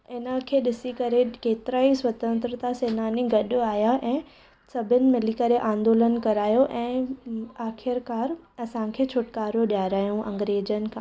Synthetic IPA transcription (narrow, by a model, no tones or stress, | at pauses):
ɪnəkʰeːɗɪsikɐɾekeːt̪ɪɾaːiswɐt̪ə̃nt̪ɾət̪aseːnaːniɡɐɗʊaːɦjaʔɛ̃ː | sɐbʱɪnɪ̆mɪlikɐɾeʔãːnd̪oːlənkɐɾaːjoʔɛ̃ːaːxʰɪɾkaːɾ | ɐsãkʰeːt͡ɕʰoːʈkaːɾoɗijaːɾaːjũʔɐ̰̃ŋɡɾeːd͡ʑən̆kʰã